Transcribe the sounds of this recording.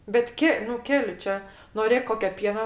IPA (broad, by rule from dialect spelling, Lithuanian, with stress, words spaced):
bʲɛt ˈkʲɛ nʊ ˈkʲæːlʲɪ ˈt͡ʃʲɛ noːˈrʲeːk ˈkoːkʲoː ˈpʲiɛnɐ